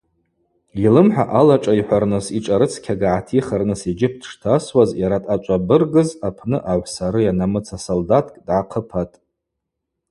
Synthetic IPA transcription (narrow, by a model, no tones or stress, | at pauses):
ilɨmħʷᶣa̰ʔalaʈ͡ʂʼaiħʷarnɨsiʈ͡ʂʼaɾɨt͡sʰkʲʰaɡaʕatʰiχarnɨsid͡ʒɪp̚ʰdʰʂtʰaswazjaɾatʼat͡ʃʷʼabɨrɡɨzapʰnɨʔaʕʷsaɾɨjanamɨt͡sʰasoldatʼkʼdʕaqʰəpʰatʼ